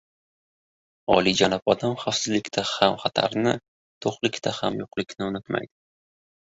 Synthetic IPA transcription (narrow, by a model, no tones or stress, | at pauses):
ɒ̰lid͡ʒanɪpɒd̪amχafsɪzlɪkʲt̪ʰahamχat̪ʰa̰ɾnɪ | t̪ʰoχlɪkʲt̪ʰahamjʊqlɪkʲnɪʊnɪt̪ma̰jd̪̥ɪ̥